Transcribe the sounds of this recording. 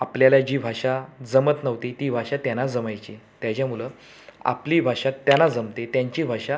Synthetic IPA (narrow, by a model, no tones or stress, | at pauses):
apljalad͡ʑiːbʱaʂad͡zəmət̪nəʋt̪et̪iːbʱaʂat̪janad͡zəmajt͡ɕit̪jat͡ɕjamuləː | a̰pliːbʱaʂat̪ːjanad͡zəmt̪et̪jaɲt͡ɕiːbʱaʂa